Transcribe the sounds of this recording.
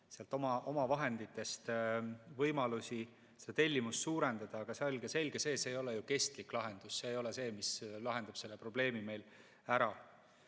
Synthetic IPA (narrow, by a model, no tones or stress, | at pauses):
seɑlt̪o̞mɑʔo̞mɑvɑɦe̞nd̪̥it̪ːˑe̞st̪vɤjmɑlusʲi | sed̥̪et̪e̞lʲːimusːuːɾe̞nd̪̥ɑd̪̥ɑːɡ̥ɑseolʲɡ̥ese̞lʲɡ̥ese̞ːseːjo̞lejuke̞st̪liklɑɦe̞nd̪̥usse̞ːjo̞lese̞ːmislɑɦe̞nd̪̥ɑb̥se̞lːepro̞b̥le̞ːmime̞jl | æɾɑ